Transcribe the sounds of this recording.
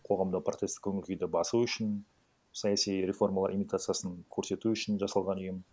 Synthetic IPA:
qʰo̞ʁɑmd̪əpʰrot̪e̞st̪ɪ̥kʲʰɵŋɪlkʲʰejd̪ɪbɑsuʏʃɪn | sɑjasijɾe̞fo̞rmalˠɑɾimijt̪at̪sɨjasənkʲʰɵɾse̞t̪uʏʃɪnʒɑsɑlˠʁɑnʏjɪm

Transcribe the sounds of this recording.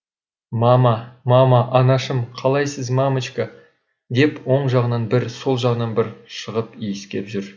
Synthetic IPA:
mɑmɑmɑmɑʔɑnɑʃəmqʰɑlˠɑjsəzmɑmət͡ʃka | d̪e̞pwo̞ɴʒɑʁənɑnbɪɾso̞lˠʒɑʁənɑnbɪɾʃəʁəpijɪskʲe̞pʒʏɾ

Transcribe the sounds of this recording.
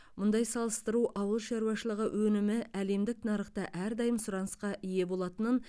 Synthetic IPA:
mʊnd̪ɑjsɑlˠəst̪əɾuʔɑwəlˠʃɑɾuɑʃəlˠəʁəwʔɵnɪmɪʔæle̞md̪ɪk̚nɑɾəχt̪ɑʔæɾd̪ɑjəmsʊɾɑnəsqɑʔije̞bo̞lˠɑt̪ənən

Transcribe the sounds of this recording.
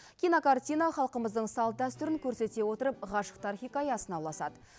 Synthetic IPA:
kʲʰijnokart̪ʲijnɑχɑlˠqəməzd̪əɴsɑlˠt̪̚d̪æst̪ʏɾɪŋkʲʰɵɾse̞t̪e̞wo̞t̪əɾəp̚ʁɑʃə̥q̚t̪ʰarχʲijkɑjɑsənɑwlˠɑsɑ̰d̪ə

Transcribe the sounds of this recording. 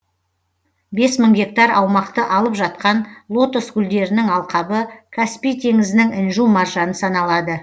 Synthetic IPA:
be̞sməɴɡʲe̞k̚t̪ɑɾɑwmɑqt̪əʔɑlˠəpʒɑt̪̚qɑnlˠo̞t̪osɡʲʊld̪e̞ɾɪnɪŋɑlˠqɑbəkʰaspijt̪ʰe̞ŋɪzɪnɪŋɪnʒumɑrʒɑnəsɑnɑlˠɑd̪ə

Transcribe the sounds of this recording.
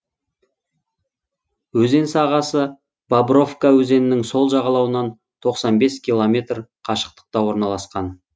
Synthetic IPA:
wɵze̞nsɑʁɑsə | b̥abro̞fkawɵze̞nɪnɪŋso̞lˠʒɑʁɑlˠɑwənɑn | t̪ʰo̞qsɑnbe̞skʲʰilˠo̞mʲe̞t̪rqʰɑʃə̥q̚t̪ə̥q̚t̪ɑwo̞ɾnɑlˠɑsqɑn

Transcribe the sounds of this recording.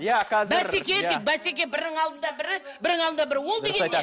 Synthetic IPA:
jakæbæsekʲet̪ɪk̚bæsek̬ʲe̞bɪɾɪŋɑlˠd̪ənd̪ɑbɪɾɪbɪɾd̪ɪŋɴɑlˠnd̪ɑbɪɾɪwo̞lˠd̪eɡʲe

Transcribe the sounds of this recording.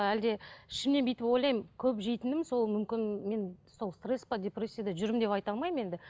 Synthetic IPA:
æld̪e̞ɪʃɪmne̞nbijt̪ɪpo̞jlˠɑjmkʲʰɵpʒejt̪ɪnɪmso̞lˠmʏmkʲɪnme̞nso̞lˠst̪re̞spɑd̪ʲe̞pre̞sʲːijad̪ɑʒʏɾɪmd̪e̞pɑjt̪ɑlˠmɑjme̞d̪ɪ

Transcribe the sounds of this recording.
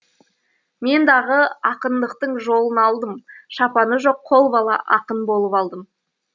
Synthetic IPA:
me̞nd̪ɑʁəɑqənd̪əqt̪əɴʒo̞lˠənɑlˠd̪əmʃɑpɑnəʒo̞qʰːo̞lˠbɑlˠɑ̰ʔɑqənbo̞lˠəpɑlˠd̪əm

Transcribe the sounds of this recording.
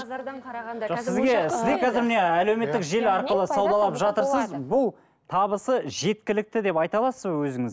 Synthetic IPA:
ʒ̥oqsɪzɡʲe̞sɪzd̪ekʲʰɑzɪɾmɪneæle̞wme̞t̪ːɪkʒe̞lɑɾqəlˠəsɑwd̪ɑlˠɑpʒɑt̪əɾsəzbʊlˠ | t̪ʰɑβəsəʒe̞t̪̚kʲɪlɪk̚t̪ɪd̪e̞pɑjt̪ɑlˠɑsəzbəwɵzɪŋɪz

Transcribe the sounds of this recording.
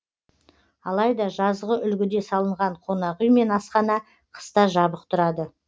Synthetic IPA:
ɑlˠɑjd̪ɑʒɑzʁəʔʏlɡʲɪd̪e̞sɑlˠəɴʁɑɴqʰo̞nɑʁʏjme̞nɑsqɑnɑ | qʰə̥st̪ɑʒɑbəq̚t̪ʰʊɾɑd̪ə

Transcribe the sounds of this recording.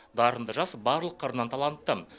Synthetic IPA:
d̪ɑɾənd̪əʒɑsbɑɾlˠəqʰːəɾənɑnt̪ʰɑlˠɑnt̪ːə

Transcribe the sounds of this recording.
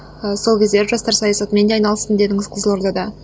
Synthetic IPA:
əso̞lˠkʲʰe̞zd̪e̞ɾʒɑst̪ɑɾsɑjɑsɑt̪me̞nd̪eɑjnɑlˠəst̪ənd̪e̞d̪ɪŋɪzqʰəzəlˠo̞ɾd̪ɑd̪ɑ

